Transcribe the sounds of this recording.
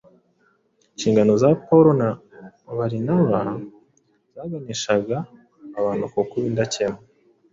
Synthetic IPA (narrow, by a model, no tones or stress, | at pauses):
ɲʃiːŋɡano̞zapauɾona | βaɾinaβa | z̥aːɡaniʃaɡaː | βaːnukokuβindacemo